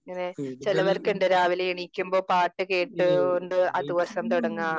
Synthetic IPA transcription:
ŋːɐnet͡ɕilɐʋɐrkeɳɖeɾaːʋileiɳikʲːumbo̞ːpaːʈːɨke̞ːʈːɨoɳɖɨɐ̰d̪iʋɐsɐmt̪uɽɐŋːaː

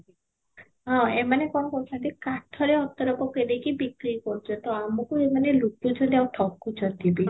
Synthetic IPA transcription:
ɔ̃emanekɔnɔkɔt͡ʃʰad̪ikaʈʰːɔɾeɔt̪ɔɾɔpɔked̪ekibikɾikɔɾd͡ʒɔt̪ɔamɔkuemanelut̪ːud͡ʒʰɔd̪iawʈʰɔkːut͡ʃʰɔd̪ibi

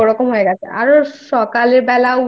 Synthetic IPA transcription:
oɾɔkomɦoeɡɛt͡ɕʰḛa̰ɾoʃɔkaleɾbɛlao

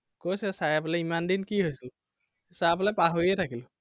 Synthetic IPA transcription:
kojsɛsaɹapɔlɛimandinkiɦojsil | sapɔlɛpaɦoɹiɛtʰakilʊ

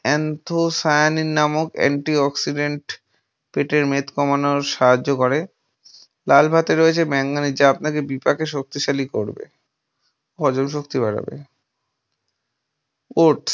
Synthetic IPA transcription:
ɛnt̪ʰosajaninːamokɛ̰ɳʈiɔksiɖeɳʈ | peʈeɾmet̪kɔmanoɾʃaɦad͡ʑːokɔɾe | lalbʱat̪eɾoet͡ɕʰemɛŋɡanid͡ʑaapnakebipakeʃok̚t̪iʃalikoɾbḛ | ɦɔd͡ʑomʃ̬okt̪ibaɽa̰bḛ | oɾʈs

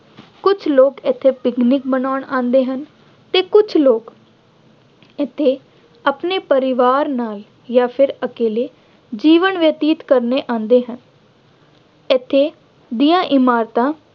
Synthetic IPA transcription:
kʊt͡ʃʰloːkɪt̪ʰːeːpɪknɪk̚bənaːɳãːnd̪eːɦən | t̪eːkʊt͡ʃʰloːk | ɪt̪ʰːeː | apneːpəɾɪʋaːɾnaːl | jaːpʰɪɾəkeːleː | d͡ʒiːʋənʋjət̪iːt̪kəɾneːʔãːnd̪eːɦən | ɪt̪ʰːeː | d̪iːãːʔɪmaːɾt̪ãː

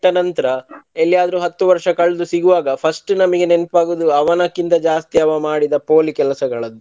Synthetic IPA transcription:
ʈːɐnɐnt̪ɐɾɐelːjaːd̪ɐɾuɦɐt̪ːuʋɐɾʂɐkɐɭːd̪usiɡuʋaːɡɐpʰɐsʈnɐmɐɡe̞ne̞npaːɡud̪uɐʋɐnɐkːint̪ɐd͡ʒaːst̪iɐʋɐmaːɽid̪ɐpoːlikɛlɐsɐɡɐɭɐd̪ːu

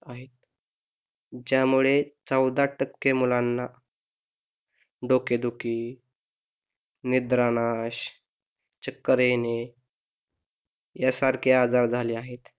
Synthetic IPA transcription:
aɦet̪̚ | d͡ʑjamuɭet͡səwd̪aʈəkːemulanːa | ɖoked̪uki | nid̪ɾanaɕ | t͡ɕəkːəɾene | jasaɾkʰead͡zaɾd͡zʱaliːaɦet̪

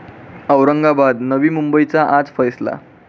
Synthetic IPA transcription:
ʌwɾʌŋɡabad̪nʌbimumbʌjt͡saʔãt͡spʰʌjsla̰

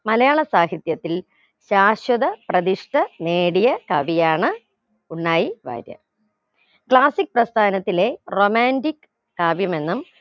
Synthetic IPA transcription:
mɐlɐjaːɭɐsaːɦit̪jɐt̪ːil | ɕaːɕwɐðɐprɐðiʂʈɐne̞ːɽijɐkɐʋijaːɳɨ | uɳːaːjiʋa̰ːɾjɐ̰ | kɭaːsik̚ːprɐst̪ʰaːnɐt̪ːile̞romaːndikː | aːbjɐme̞nːum

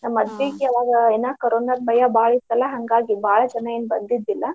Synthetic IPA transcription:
nɐmɐd̪ʋekeaʋaːɡɐenaːkɐɾoːnaːd̪̚bɐjabaːɭist̪ɐlːɐɦɐŋɡaːɡibʱaːɭɐt͡ʃɐnːajinbɐnd̪id̪ʋilːɐ

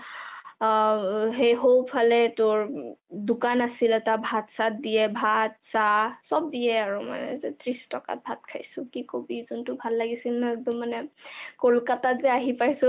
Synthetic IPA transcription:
ɦejɦowpʰalɛtʊɹdukanasilɛtabʱatsat̚dijɛbʱat̚sasɔb̚dijɛaɹuma̰nɛ̰zɛtʰɹistɔka̰t̚bʱat̚kʰa̰jsʊ̃kikobizɔntʊbʱalːaɡisilnaɛɡ̚dɔmːanɛkolkatazɛaɦipajsʊ

